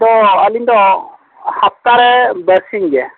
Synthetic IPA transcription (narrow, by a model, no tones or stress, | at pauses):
d̪ɔəlind̪ɔ | hap̚t̪aɾɛbəɾsiŋɡɛ